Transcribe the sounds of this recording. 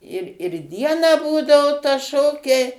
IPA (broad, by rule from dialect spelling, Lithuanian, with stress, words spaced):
ɪr ɪr ˈdʲiɛnɑː ˈbuːdɐoː tɐ ˈʃoːkʲɛɪ